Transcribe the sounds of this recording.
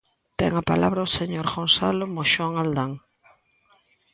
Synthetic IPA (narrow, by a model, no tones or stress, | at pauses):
t̪ɛ̰ŋapalaβɾaoseɲoɾɣonsalʊmoʃɔŋald̪aŋ